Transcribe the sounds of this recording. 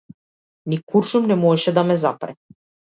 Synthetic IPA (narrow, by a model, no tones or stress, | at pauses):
nikuɾʃumnɛmɔɛʃɛd̪amɛzapɾɛ